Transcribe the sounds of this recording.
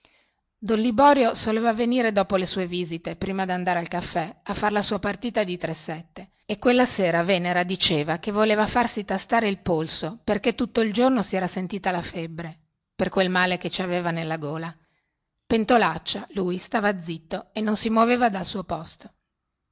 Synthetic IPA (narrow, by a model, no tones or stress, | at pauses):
d̪ɔnlibɔːɾjosoleːvaveniːɾed̪ɔːpolesuːeviːzit̪epɾiːmad̪iand̪aːɾealkafːɛafːarlasuːapart̪iːt̪ad̪it̪ɾesːɛt̪ːe | ekːwelːaseːɾaveneɾad̪it͡ʃeːvakevːoleːvafarsit̪ast̪aːɾeilpolsoperket̪ːut̪ːoild͡ʒornosiɛːɾasent̪iːt̪alafebːɾe | perkwelmaːleket͡ʃiaveːvanelːaɡoːla | pent̪olat͡ʃːaluːjst̪aːvad̪zːit̪ːoenːonsimwoveːvad̪alsuːopɔst̪o̥